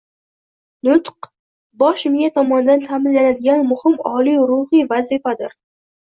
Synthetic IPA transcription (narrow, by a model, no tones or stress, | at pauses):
nʊt̪q | bɒʃmɪjat̪ʰɒmɒnɪd̪ant̪ʰamɪnlanad̪ɪɡʲanmʊhɪmɒlˠijɾʊhijvazɪfad̪ɪɾ